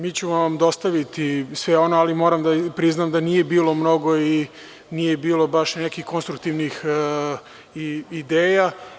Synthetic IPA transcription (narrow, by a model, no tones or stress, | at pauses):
miːt͡ɕuʋamd̪o̞st̪aʋit̪isʋeo̞noalimo̞ɾamd̪apɾiznaːmd̪anije̞biːlo̞mno̞ɡo̞i | nijebiːlˠo̞baʃnekixko̞nst̪ɾuk̚t̪iʋnix | iid̪eːja